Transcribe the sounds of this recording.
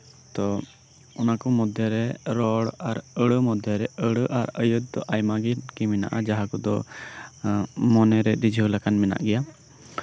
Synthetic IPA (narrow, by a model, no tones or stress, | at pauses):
t̪ɔ | ɔnakɔmɔd̪ʱɛɾɛɾɔɽaɾəɽəmɔd̪ʱɛɾɛəɽəʔaɾəjud̪̚ːɔ̰ʔajmaɡinkimɛna̰ʔad͡ʒaɦakɔd̪ɔ | mɔnɛɾɛɾid͡ʒʱiulakanmɛna̰ʔɡɛja